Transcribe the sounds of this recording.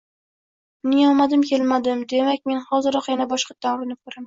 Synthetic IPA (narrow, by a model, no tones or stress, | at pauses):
nɪjɒmad̪ɪmkʲʰe̞lmad̪ɪmd̪e̞mak̚ʲme̞nhɒzɪɾɒqjanabɒʃqɑt̪ʰːanɾnɪkʰɵɾam